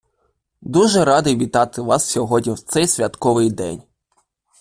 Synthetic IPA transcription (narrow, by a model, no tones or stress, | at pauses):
d̪uʒɛɾɑd̪ɪjʋʲit̪ɑt̪ɪʋɑssʲɔɦɔdʲnʲiwt̪sɛjsʲʋʲɐt̪kɔʋɪjd̪ɛ̰nʲ